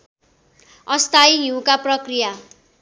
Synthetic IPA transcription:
ʌst̪ʰajjukaprʌkrija

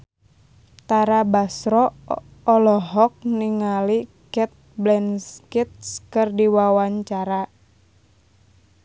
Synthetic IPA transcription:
t̪aɾabasɾɔː | lɔɦɔk̚niŋali | kɛt̪̚blɛnskit̪̚skɨrdiwawaɲt͡ʃaɾa

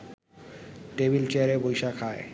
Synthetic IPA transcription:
ʈebilt͡ɕeaɾebojʃakʰae

